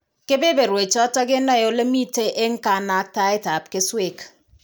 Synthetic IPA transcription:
ke˦be˦be˨ɾwe˨t͡ʃɔ˦tɔ˦kɪ˦nɔ˦jo˨le˦mi˦te˦ʔe˦ŋ̩˦ka˨na˦k̚ta˦e˦ta˨p̚ke˦swe˦˨k

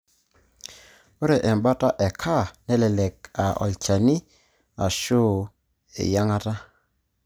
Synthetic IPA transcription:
o˦ɾɛ˨ʔɛ˨mba˦ta˦ʔɛ˨kʰa˦˨nɛ˦lɛ˨lɛ˨ka˨ɔ̰˨lt͡ʃa˨ni˦ | a˨ʃo˦˨ | ḛ˨ja˦ŋa˦ta˦

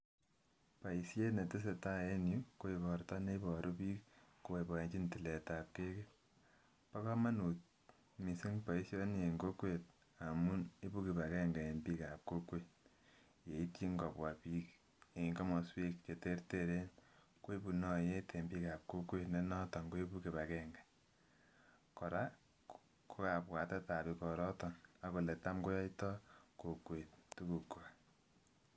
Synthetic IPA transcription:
pa˨i˨sje˦ne˨tɪ˦s̬e˨ta˦e˦nju˦ko˦i˨kɔ˨rta˦ne˦i˦pɔ˨ɾʔo˦pi˦kko˦we˨pɔ˨e˨ɲt͡ʃi˦nti˨le˨ta˨p̚ke˦ke˦ | pa˦ka˦ma˦nu˨t̚ | mi˨si˦ŋpa˨i˦sjo˦ne˨ŋɡo˦kwe˨t̚ | a˨mu˦ne˦pu˦ki˨pa˨kɛ˦ŋɡa˨e˨npiː˦ka˨p̚ko˦kwe˦ | je˨i˦ti˦ŋɡɔ˨pwa˨piː˦k | e˨ŋkɔ˦mɔ˨swi˦k̚t͡ʃe˨te˦ɾteɾe˦n | kwo˦e˦pu˨nɔ˦je˦tʰe˨mbi˦ka˨p̚ko˦kwe˦tne˦nɔ˦ta˨ŋɡo˦e˦pu˦ke˨βa˨kɛŋɡa˨ | kɔ˨ɾa˦ | ko˦ka˨pwa˨tɛ˦ta˨pi˨kɔ˨ɾɔ˦tɔ˨na˦ko˨le˨ta˦mko˦jɔ˦itɔ˦ko˨kwe˨ttu˦ku˨ko˨a

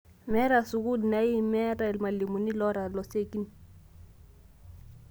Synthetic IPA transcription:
mɛ˦ɾa˨su˨ku˦di˨na˨i˦mɛ˦ɾa˦ɛ˨lma˨li˨mu˨ni˦lɔ˦ɾa˨lɔ˨se˦˨ki˦ni˨

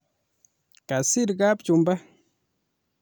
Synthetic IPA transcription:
ka˨si˦ɾɡa˦p̚t͡ʃu˨mba˦

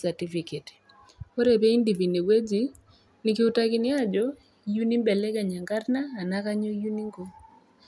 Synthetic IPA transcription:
sa˨ti˦fi˨ke˨t | o˦ɾɛ˨pɛ˦i˦ndi˨vi˨ni˨ɡwe˦d͡ʒi˨ | nɪ˨kɪ˦u˦ta˦kɪ˦nɪ˦a˦˨d͡ʒɔ˦ | ju˦ni˦mbɛ˨lɛ˦ka˨ɲa˨ŋɡa˦ɾnaː˦˨na˦ka˦ɲɔ˦ju˦ni˦ŋɡo˦

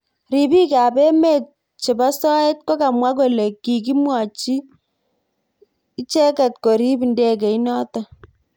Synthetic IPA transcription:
ri˨bi˦ka˨pe˦me˦t̚ | t͡ʃe˨ba˦sɔ˦e˦t̚ko˦ka˨mwa˦k̬o˨le˨kːi˨ki˦mwa˨t͡ʃi˦ | t͡ʃɛ˦kɛ˨tko˨ɾi˦bi˨nde˦k̬e˨i˦nɔ˦ta˨

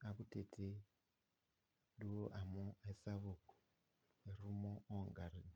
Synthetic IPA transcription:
a˨kute˨tʰe˦ | ɗu˦oʔa˨moe˦saβo˨ko̥ | e˨ɾumo˦ʔoŋɡa˨ɾi

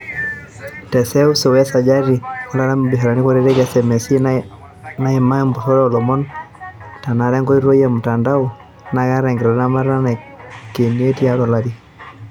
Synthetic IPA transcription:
tɛ˨sɛ˦u˦so˨wɛ˦sa˨d͡ʒa˦ɾi˨ɔ˦la˦ɾa˦mbi˨ɦa˨ɾa˨ni˦ko˦ɾe˦ɾe˦kɛsɛ˨mɛ˨si˦ | na˦i˨ma˦ɛ˦mbu˨sɔ˦ɾɛ˦ɔ˨lɔ˨mɔ˦n | ta˨na˨ɾɛ˦ŋɡo˦i˦ɾwo˦ja˨mu˨ta˨nda˦u˨ | na˨˦ka˦ɾɛ˨ŋɡɪ˨ɾa˨na˦ma˦ɾa˦na˨ke˨ni˦e˦ti˦a˦lɔ˨laɾi˦

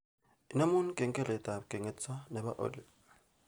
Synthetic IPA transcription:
i˦na˦mu˦nu˦kʼɛ˨ŋkʼɛ˦lɛ˨ta˨kʼɛ˨ŋe˨tt͡swa˦nɛ˨βa˦ʔo̰˨li˨

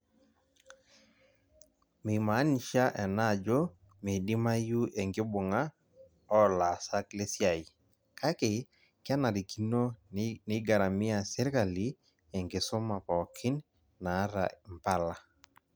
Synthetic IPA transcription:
me˨ma˨˦ni˨ʃa˦ʔɛ˨na˦˨d͡ʒo˦ | me˨di˦ma˦ju˦ʔe˨ŋɡɪ˦bʊ˨ŋa˦ | ɔ˦la˨sa˦kle˦sja˨i˨ | ka˦ke˨ | kja˦na˨ɾi˨ki˦no˦nɪ˦ɡa˨ɾa˨mi˦a˨sɛ˦ɾka˨li˦ | e˨ŋɡɪ˨so˦ma˨pɔ˨kʰɪ˦n | na˨˦ɾa̰˨mpa˦la˨

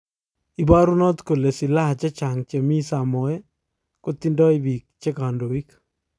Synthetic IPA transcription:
i˨ba˦ɾu˦nɔ˦t̪ko˨le˨si˨la˦˨t͡ʃɛ˦t͡ʃa˨ŋt͡ʃe˨mi˦sa˨mɔ˨ɛ˦ | ko˦t̪i˦ndɔ˦i˦bi˨k̚t͡ʃe˦ka˨ndo˨i˦k

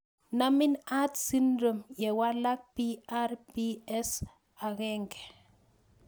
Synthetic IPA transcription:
na˦mɪ˦na˦t̪si˦ndɾo˨mjɛ˨wa˦la˦k̚pi˦a˦rpi˦ɛ˦s | a˨ɣɛ˦ŋɡɛ˨

